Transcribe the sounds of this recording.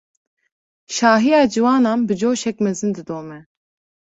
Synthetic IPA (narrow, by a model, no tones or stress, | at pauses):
ʃɑːɦijɑːd͡ʒiwɑːnɑːnbɨd͡ʒoːʃɛkmɛzɨnd̪ɨd̪oːmɛ